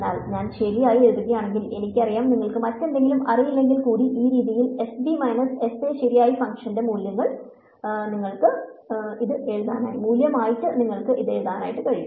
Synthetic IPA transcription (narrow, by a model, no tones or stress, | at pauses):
nːaːlɲaːnɕe̞lijaːjieɻuðuɣɐjaːɳe̞ŋɡile̞nikʲːɐrijaːmniŋːɐɭkɨmɐtːe̞nd̪eŋɡilumɐrijilːe̞ŋɡilkuːɽiʔiːɾiːðijile̞sbimɐjnɐse̞seːɕiɾijaːjifɐŋkʂɐnde̞muːljɐŋːɐɭ | niŋːɐɭkɨiðɨeɻuðaːna̰ːjimuːljɐmaːjiʈːɨniŋːɐɭkɨʔiðe̞ɻuðaːna̰ːjiʈːɨkɐɻiju